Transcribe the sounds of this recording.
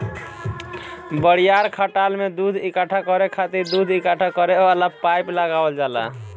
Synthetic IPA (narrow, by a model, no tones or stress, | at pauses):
bəɽijaɾkʰəʈalmed̪ud̪ʱikəʈʰakɔɾekʰat̪iɾd̪ud̪ʱikaʈʰakəɾealapajpləɡabəld͡ʒala̰